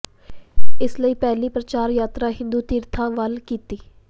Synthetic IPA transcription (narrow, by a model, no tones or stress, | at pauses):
ɪsləiːpɛːliːpɾət͡ʃaːɾjaːt̪ɾaːɦɪ̃nd̪uːt̪iːɾt̪ʰãːʋəlkiːt̪iː